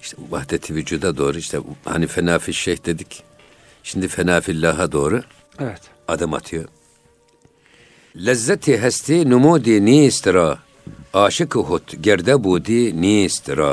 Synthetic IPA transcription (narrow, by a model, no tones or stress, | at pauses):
iʃva̰hd̪ɛt̪ʰivyd͡ʒuːd̪ad̪oːɾɯiʃt̪ʰɛ̰ha̰nifɛnaːfiʃːɛhd̪ed̪ik | ʃind̪ifɛnaːfilːaːɦad̪oːɾu | ɛɛt̪ | ad̪ɯma̰t̪ʰɯjo | lɛzːɛt̪ʰiɦɛst̪ʰinumuːd̪iniːst̪ɾaː | aːʃikɨɦut̪ʰɡɛɾd̪ɛbuːd̪iniːst̪ɾa